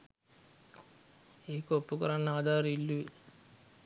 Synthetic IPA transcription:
eːkəopːukəɾanːəaːd̪ʱaːɾəilːuʋi

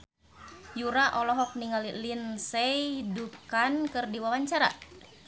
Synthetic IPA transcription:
juɾaʔɔlɔɦɔk̚niŋalilinsɛjdukankɨrdiwawaɲt͡ʃaɾa̰

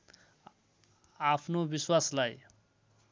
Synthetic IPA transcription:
apʰnobiswaslaj

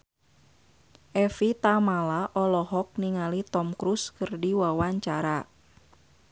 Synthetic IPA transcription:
ʔɛfit̪amalaʔɔlɔɦɔk̚niŋalit̪ɔmkɾuskɨrdiwawaɲt͡ʃaɾa

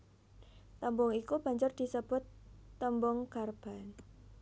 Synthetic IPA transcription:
t̪əmbɔŋikub̥a̤ɲd͡ʒʊrd̪̥i̤səb̥ʊ̤t̪ːəmbɔŋkarb̥a̤n

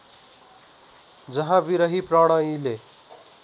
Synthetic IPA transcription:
d͡zʌɦãbiɾʌɦiprʌɽ̃ʌĩle

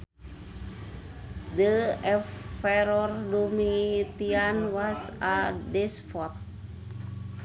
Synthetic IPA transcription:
dəɛfɛɾɔrdumit̪ianwasadɛsfɔt̪̚

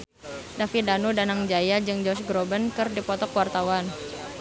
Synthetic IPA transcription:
dafidanudanaŋd͡ʒajad͡ʒɨŋd͡ʒɔsɡɾɔbənkɨrdipɔt̪ɔkwart̪awan

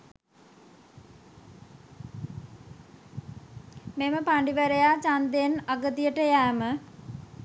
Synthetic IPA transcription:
meməpaɳɖiʋəɾejaːt͡ʃand̪enaɡət̪ijəʈəjæːmə

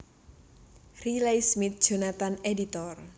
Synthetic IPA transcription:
rilejsmit̪̚ʒ̥a̤nat̪anedit̪ɔr

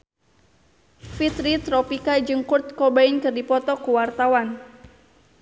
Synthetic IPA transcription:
fit̪ɾit̪ɾɔpikad͡ʒɨŋkurt̪̚kɔbaɪnkɨrdipɔt̪ɔkuwart̪awan

